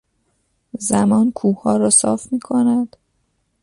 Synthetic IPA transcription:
zæmɒːnkʰuːhɒːɾɒːsɒ̰ːfmiːkʰonæd̪̥

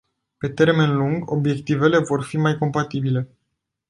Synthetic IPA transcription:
pe̞t̪e̞rme̞nluŋɡo̞bje̞kt̪ive̞le̞vo̞rfimajko̞mpat̪ibile̞

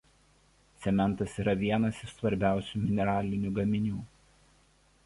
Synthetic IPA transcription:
t̪sʲɛmʲɛnˑt̪ɐsiːɾɐʋʲiɛnɐsɪʃsʋɐɾʲbʲæˑʊsʲuːmʲɪnʲɛɾɑːlʲɪnʲuːɡɐmʲɪnʲuː

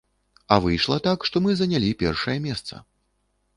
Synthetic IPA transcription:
ɐvɨjʂlˠɐt̪akʂt̪ɔmɨzɐnʲalʲipʲɛrʂɐjɛmʲɛst̪sɐ̰

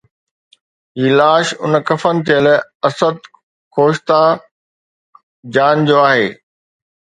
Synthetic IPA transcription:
ɦiːlaːʃʊ̰nkɐfənɪ̆t̪ʰijəlɐsəd̪̚ | kʰoːʃt̪a | d͡ʑaːnd͡ʑoːaːɦeː

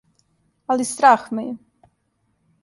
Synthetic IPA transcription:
alist̪ɾaːxmɛjɛ

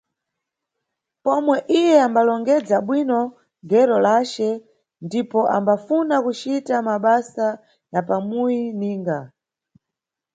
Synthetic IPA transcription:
pɔmwɛʔijɛambalɔŋɡɛd͡zaɓwinɔ | ɡɛɾɔlat͡ʃɛ | ndipɔʔambafunakut͡ʃitamaɓasa | japamujiniːŋɡa

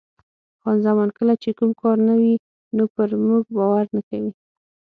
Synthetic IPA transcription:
xɑnzamɑnkəlat͡ʃekumkɑɾnawi | nopəɾmuɡ̚bɑwaɾnakawi

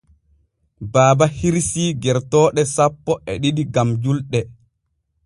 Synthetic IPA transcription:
baːbahiɾsiːɡɛɾtɔːɗɛsapːɔʔɛɗiɗiɡamd͡ʒulɗɛ

